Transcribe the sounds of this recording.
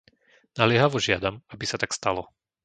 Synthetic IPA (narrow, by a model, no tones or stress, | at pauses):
nalɪɛɦaʋɔʒɪad̪amabisat̪akst̪alɔ